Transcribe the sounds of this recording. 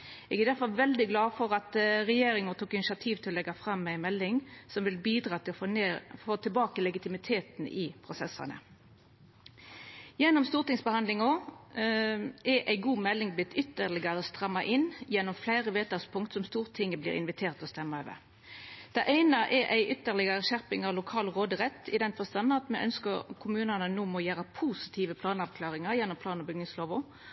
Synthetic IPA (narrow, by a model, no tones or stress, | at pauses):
ɛɡæd̪æʁfɔlʋɛld̪ɪɡlɑːfɔʁɑt̪ʁɛjeːɾɪŋət̪uːkɪnɪʃɪɑt̪ʰiːʋt̪ʰɪlɔlɛɡɑfʁɑmːæɪmɛlːɪŋsɔmʋɪlbiːd̪ʁɑːt̪ʰɪlɔfoneːfoːt̪ʰɪlbɑːkəlɛɡɪt̪ɪmɪt̪ʰeːt̪nʔɪ̰pʰʁʊsɛsɑ̰nə̰ | jɛnːɔmst̪uːʁt̪ɪŋsbəhɑnd̪lɪŋɔ | ʔɛʔæɪɡuːmɛlːɪŋbɪt̪ʏt̪ːəʁlɪɡɑɾəst̪ʁɑmːɑʔɪnjɛnːɔmflæɪʁəʋeːt̪ɑspʰʊŋt̪sɔmst̪uːʁt̪ʰɪŋːəblḭːɾɪ̰nʋɪt̪ʰeːʁt̪ɔst̪ɛmːəøːʋə̰ʁ | d̪̥ɛʔæɪnɑʔɛʔæɪʔʏt̪ːəʁlɪɡɑɾəʃæʁpɪŋɑʋlʊkʰɑːlʁoːd̪əʁɛt̪ːɪd̪ɛnfɔst̪ɑnɑt̪mɛʔœnskəʁkʰʊmʉːnənənuːmɔjæːʁəpʰuːsɪ̥t̪ʰiːʋəpʰlɑːnɑʋkʰlɑːʁɪŋɑʁjɛnːɔmpʰlɑːnɔbʏɡnɪŋsloːʋʊ